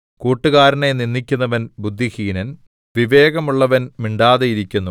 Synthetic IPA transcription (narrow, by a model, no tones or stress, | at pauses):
kuːʈːuɣaːɾɐneninːikʲːunːɐʋɐnbud̪ʱːihiːnɐn | ʋiʋe̞ːɣɐmuɭːɐʋɐnmiɳɖaːðejiɾikʲːunːu